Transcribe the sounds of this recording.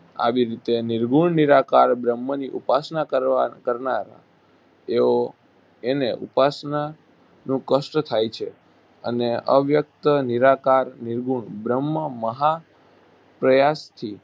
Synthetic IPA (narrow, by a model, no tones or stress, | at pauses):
a̰ʋiɾit̪eniɾɡuɳniɾakaɾbɾəmːəniʔupasnakəɾakəɾnaɾa̰ | eo | eneʔṵpasna | nũkəsʈt̪ʰajt͡ʃʰe | ə̰neə̰ʋjək̚t̪əniɾakaɾniɾɡʱuɳbɾəmːəməɦa | pɾəjast̪ʰi